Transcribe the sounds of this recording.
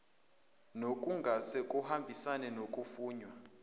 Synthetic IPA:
nokʼuŋɡʱasekʼuhambʱisanɛnokʼufuːɲwa

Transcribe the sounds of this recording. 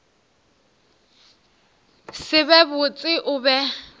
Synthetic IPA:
sɪβɛbʊt͡sʼɪʔʊbɛ

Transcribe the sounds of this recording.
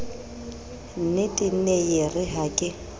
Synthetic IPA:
nɪtʼɪn̩nejerɪɦakʼɪ

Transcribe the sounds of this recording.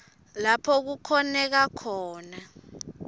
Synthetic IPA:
lapʰɔk̬ukʰɔnɛk̬akʰɔːna

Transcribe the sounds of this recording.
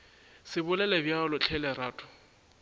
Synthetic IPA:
sɪbʊlɛlɛbjalʊt͡ɬʰɛlɛɾaːtʰʼʊ̥

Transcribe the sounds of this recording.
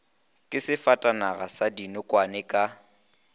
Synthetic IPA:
kʼɪsɪfatʼanaɣasadinʊkʼwanɛkʼa

